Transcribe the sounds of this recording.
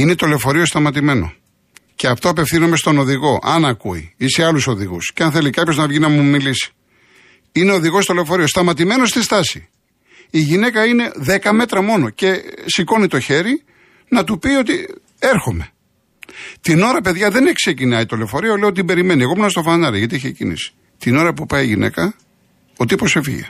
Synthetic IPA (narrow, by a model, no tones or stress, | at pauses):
inet̪o̞le̞fo̞ɾiost̪ɐmɐt̪̬ime̞no̞̰ | ceɐft̪o̞ɐpe̞fθinomest̪o̞no̞ðiɣo̞ʔɐnɐkuḭiseɐluso̞ðḭɣṵsceɐnθelikɐpço̞znɐvʝinɐmumilisi̥ | ineoðiɣo̞st̪ole̞fo̞ɾiost̪ɐmɐt̪imeno̞st̪ist̪ɐsi | iʝine̞kɐine̞ðekɐme̞t̪ɾɐmo̞no̞ce̞siko̞nit̪o̞çe̞ɾi | nɐt̪upio̞t̪i | eɾxome̞ | t̪ino̞ɾɐpe̞ðʝɐðe̞ne̞kse̞cinɐit̪o̞lefo̞ɾiɐoleot̪t̪ibe̞ɾime̞nieɣomnɐst̪ofɐnɐɾiʝɐt̪iiçecḭnḭsi̥ | t̪ino̞ɾɐpupɐjiʝḭnʔḛkɐ | ot̪iposefḭʝḛ